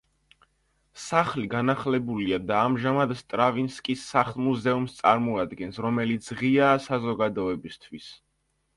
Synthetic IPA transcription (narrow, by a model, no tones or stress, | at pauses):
saχliɡanaχlɛbuliad̪aːmʒamad̪st̪ʼɾavinskʼisːaχlˠmuzɛumst̪sʼaɾmɔad̪ɡɛnsɾɔmɛlit̪sʰʁiaːsazɔɡad̪ɔɛbist̪ʰwis